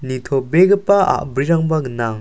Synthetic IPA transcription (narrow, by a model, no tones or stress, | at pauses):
nit̪ʰɔbeɡɯpaa̰ʔbɾiɾaŋbaɡənaŋ